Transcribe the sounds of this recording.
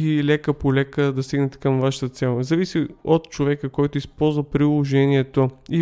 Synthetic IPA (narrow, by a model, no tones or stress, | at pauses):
ilʲɛkəpolʲɛkəd̪ɐst̪iɡnɛt̪ɛ̥kəmvaʃə̥t̪ət̪sɛlˠzɐvisiot̪t͡ʃovɛkəkɔjt̪oispɔlˠzvəpɾilˠoʒɛniɛt̪oi